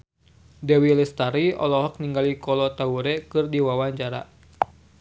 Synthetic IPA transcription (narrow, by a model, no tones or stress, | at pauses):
dɛwilɛst̪aɾiɔ̰lɔɦɔk̚niŋɡalikɔlɔt̪auɾɛkɨrdiwawaɲd͡ʒaɾa̰